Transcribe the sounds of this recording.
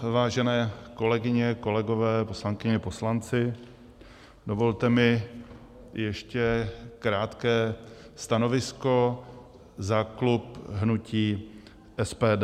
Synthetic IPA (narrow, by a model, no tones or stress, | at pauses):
vaːʒɛnɛːko̞lɛɡɪɲɛko̞lɛɡo̞vɛːposlaŋkɪɲɛpo̞slant͡sɪ | dovo̞lt̪ɛmɪ | jɛʃcɛkɾaːt̪kɛː | st̪ano̞vɪsko̞ | zaklupɦnuciː | ʔɛspɛːd